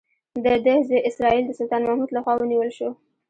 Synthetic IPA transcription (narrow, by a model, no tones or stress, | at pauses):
d̪əd̪ehzəʔɪsɾɑild̪əsʊlt̪ɑnmahmud̪laxwɑwəniwəlʃo